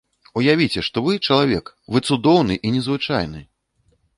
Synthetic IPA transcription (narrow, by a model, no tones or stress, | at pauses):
ujavʲit͡sʲɛʂt̪ɔvɨt͡ʂɐlˠavʲɛk | vɨt̪sud̪ɔwnɨʔinʲɛzvɨt͡ʂa̰jnɨ